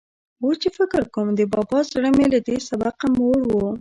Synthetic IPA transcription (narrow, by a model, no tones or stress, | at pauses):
wot͡ʃefɪkɪɾkomd̪əbɑbɑzɽəmelad̪esabaqamoɽwu